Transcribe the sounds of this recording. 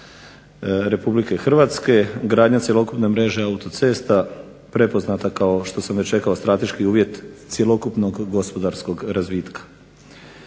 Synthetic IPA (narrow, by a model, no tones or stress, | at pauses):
ɾe̞publike̞xr̩ʋat̪ske̞ɡɾaːd̪ɲat̪sje̞lˠo̞kupne̞mɾe̞ʒeaut̪ot̪se̞ːst̪a | pɾe̞po̞znat̪akao̞ʃt̪o̞samʋet͡ʃe̞kaost̪ɾat̪e̞ʃkiuːʋje̞t̪sjelo̞kupnoɡːo̞spo̞d̪aɾsko̞ɡɾazʋiːt̪kḁ